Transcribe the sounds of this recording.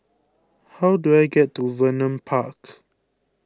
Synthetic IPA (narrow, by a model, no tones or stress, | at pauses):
hawduajɡɛtːuvənə̃mpʰak